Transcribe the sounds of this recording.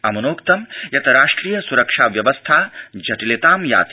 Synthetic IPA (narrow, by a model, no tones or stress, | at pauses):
ɐmɐnoːkt̪ɐmjɐt̪ʰɐɾaːʂʈɾiːjɐsuɾɐkʂaːʋjɐʋɐst̪ʰaːd͡ʒɐʈilet̪aːmja̰ːt̪i